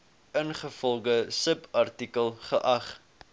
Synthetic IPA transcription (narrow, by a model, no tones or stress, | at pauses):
ənχəfɔlˠɡəsəpɐrtikəlˠχəʔɐχ